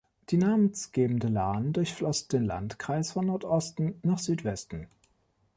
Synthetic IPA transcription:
d̥iːnaːmənsɡ̥eːbm̩dəlaːndʊɐçflɔsd̥eːnla̰ntkʁ̥aɪsfɔnːɔɐtʔɔstn̩naːχz̥yːtv̥ɛstn̩

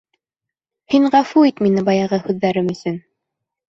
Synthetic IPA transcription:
hiɴʁɑfuit̪minɘbɑjɑʁɤhʉðːæɾɘmɵ̆sɵn

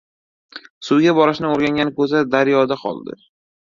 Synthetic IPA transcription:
sʊwɡʲabɒɾɪʃnɪoɾɡʲaŋɡʲanɪkʰɵzad̪aɾjɒd̪aqʰɒ̰lˠd̪ɪ̰

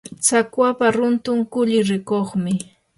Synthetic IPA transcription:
t͡sakwapaɾʊnt̪ʊŋkʊʎɪɾɪkoχmɪ

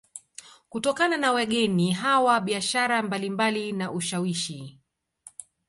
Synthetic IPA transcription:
kutɔkananawɛɠɛniɦawaɓiaʃaɾambalimbalinaʔuʃawiʃi

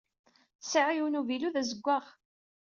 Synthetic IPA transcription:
səʕiwnuviluðæzəɡʷːaʁ

